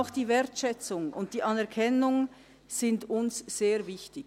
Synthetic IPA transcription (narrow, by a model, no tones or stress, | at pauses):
ʊxd̥iːvɛːɐtʃɛt͡sʊŋʔʊnt̚d̥iːʔɑnɛɐkʰɛnʊŋ | z̥ɪndʊnsz̥eːɐvɪçtɪ